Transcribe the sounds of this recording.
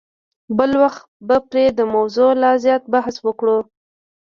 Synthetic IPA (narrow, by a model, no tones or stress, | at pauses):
bəlwaxt̪bəpɾed̪əmawzolɑzjɑt̪̚bahswəkɽu